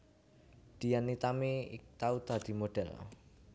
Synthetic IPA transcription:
d̪̥ijanːit̪amiɪ̰k̚t̪aud̪a̤d̪̥i̤moɖ̥ɛl

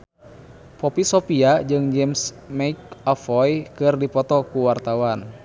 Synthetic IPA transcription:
pɔpisɔpiad͡ʒɨŋd͡ʒɛms | maik̚ɔfɔjkɨrdipɔt̪ɔkuwart̪awan

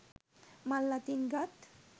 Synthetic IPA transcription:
malːat̪iŋɡat̪

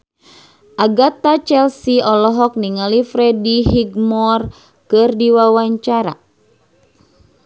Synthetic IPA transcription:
ʔaɡat̪at͡ʃɛlsiɔlɔɦɔk̚niŋalifɾɛdiɦiɡmɔr | kɨrdiwawaɲt͡ʃaɾa̰

